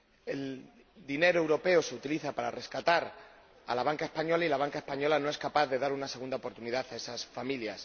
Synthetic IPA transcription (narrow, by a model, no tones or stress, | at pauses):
e̞l | d̪ine̞ɾoe̞wɾo̞pe̞ose̞ut̪iliθapaɾa̰re̞skat̪aɾ | a̰laβaŋkae̞spaɲo̞lailaβaŋkae̞spaɲo̞lano̞eskapaððe̞ðaɾunaseɣund̪aopo̞ɾt̪uniðaθae̞sasfamiljas